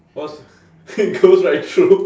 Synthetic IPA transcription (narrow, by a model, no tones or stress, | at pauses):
ɔs | ɪt̚ɡ̥oʊzɹaɪttʰɹu